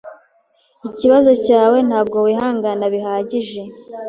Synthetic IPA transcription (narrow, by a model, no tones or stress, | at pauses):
iciβazo̞caːwe̞n̥haːb̚ɡo̞wiɦaːŋɡanaβiɦaːɟiʒe̞